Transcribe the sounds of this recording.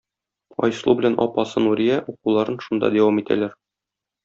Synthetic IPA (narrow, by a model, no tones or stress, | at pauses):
ɒ̰jslˠubɘ̆lænʔɒ̰pɑsɤnuɾijæʔuqulˠɑɾɤnʃund̪ɑ̰d̪æwɑmit̪æ̰læɾ